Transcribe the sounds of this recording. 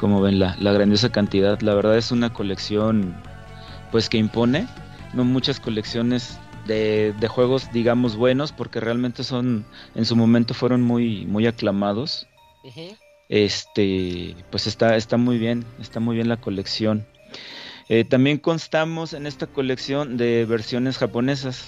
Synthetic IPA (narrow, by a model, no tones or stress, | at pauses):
ko̞mo̞βe̞nlalaɣ̞ɾand̪jo̞s̬akant̪iðaðlaβ̞e̞ɾð̞aðe̞sunako̞le̞ksjo̞n | pwe̞ske̞impo̞ne̞ | nomut͡ʃasko̞le̞ksjo̞ne̞z | ðeðe̞xwe̞ɣ̞o̞zðiɣamo̞zβwe̞no̞spo̞ɾke̞re̞almẽ̞nt̪e̞so̞nensumõ̞mẽnt̪o̞fwe̞ɾo̞nmujmujaklamað̞o̞s | e̞st̪e̞pwe̞se̞st̪aest̪amujβje̞ne̞st̪amujβje̞nlako̞le̞ksjo̞n | e̞t̪ambje̞ŋko̞nst̪amo̞se̞ne̞st̪ako̞leksjo̞nd̪e̞βe̞ɾsjo̞ne̞sxapo̞ne̞s̬as